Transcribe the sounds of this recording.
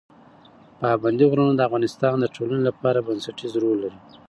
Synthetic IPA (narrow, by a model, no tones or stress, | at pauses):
pɑband̪iɣɾanod̪əafɣɑnɪst̪ɑnd̪əʈʰolanelapɑɾabansaʈizɾolːaɾi